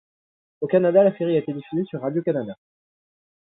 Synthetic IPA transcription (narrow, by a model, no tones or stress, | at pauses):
okanad̪alaseʁiaet̪eɛd̪ifyzesyʁːad̪jokanad̪a